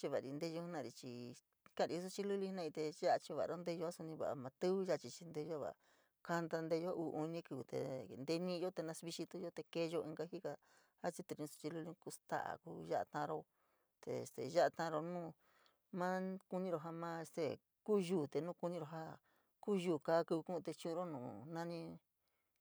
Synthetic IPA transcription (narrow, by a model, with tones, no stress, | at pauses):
t͡ʃi˧βa˨ɾi˧nd̪e˧o˧˦nã˦˧˨ɾi˧t͡ʃi˧ | kã˦˧˨ɾi˨˧u˧˦su˧t͡ʃi˧˦lu˦lĩ˦nã˦˧i˧t̪e˧ʒa˦ʔa˧t͡ʃi˧βa˨a˧ɾo˦nd̪e˦˧jo˧˦a˦su˧nĩ˧βa̰˨ʔa˧˨mã˧t̪ɨ˦βɨ˦ʒa˦˧t͡ʃi˧t͡ʃi˧nd̪e˧jo˦βa̰˨ | ka˧nd̪a˧nd̪e˧jo˦ʔu˧ʔu˧nĩ˦kɨ˧˨t̪ḛ˧nd̪e˧nĩ˦jo˦t̪e˧nã˧sβi˧ʃi˧t̪u˧˦jo˦t̪e˧ke˧jo˧ĩ˧ŋɡa˧ɦi˦ka˧ | a˦t͡ʃi˦t̪u˧˨ĩ˧su̥˧t͡ʃi˧lu˧lĩ˦ku˧˦st̪a̰˦ʔa̰˨ku˦ʒa˦ʔa̰˧t̪ã˧ɾo˧ | t̪ḛ˧ḛ˧st̪ḛ˨ʒa˦ʔa˧t̪ã˧ɾo˧nũː˦˨ | mã˦ku˧nĩ˧ɾo˧˨ɦa˧mã˦e˧st̪e˧˨ | kuː˦ʒuː˦˨t̪e˨nũː˦ku˧nĩ˧ɾo˧ɦa˦ | kuː˦juː˦˨ka˧˦ku˧βkũ˦˧t̪e˧t͡ʃũ˦˧u˧ɾo˦nũː˨nã˦nĩ˧